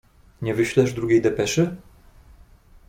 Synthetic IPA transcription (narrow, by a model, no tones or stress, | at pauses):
ɲʲɛvɘɕlɛʂd̪ɾuɡʲejd̪ɛpɛʂɘ